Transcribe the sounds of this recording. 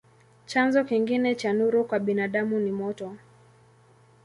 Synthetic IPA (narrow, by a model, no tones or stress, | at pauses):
t͡ʃanzɔkiŋɡinɛt͡ʃanuɾukwaɓinaɗamunimɔtɔ